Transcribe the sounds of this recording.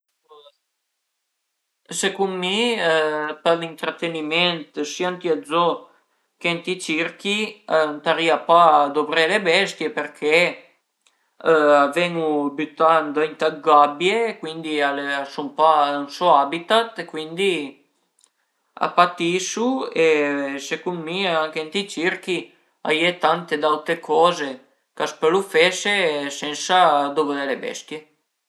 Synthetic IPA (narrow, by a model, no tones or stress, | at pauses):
sekummi | palint̪ɾat̪enimɛnt̪siant̪iazɔ | kent̪it͡ʃiɾkint̪aɾiapad̪obɾɛlebɛst̪jepeɾkʰe | avɛŋubyt̪and̪int̪aɡabjekwind̪ialeasumpaansɔabit̪at̪ekwind̪i | a̰pat̪isuesekummiaaŋkent̪it͡ʃirki | a̰jet̪ant̪ed̪awt̪ekʰɔːze | kaspelufesesɛnsad̪obɾelebɛ̰st̪je